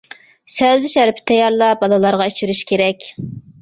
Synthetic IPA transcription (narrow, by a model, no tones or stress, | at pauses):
sɛwzɪʃæɾpʰɪ̥t̪ʰɛjɑɾlˠɑbɑlˠɨlˠɑɾʁɑit͡ʃʰyɾyʃkʲʰeɾɛkʲ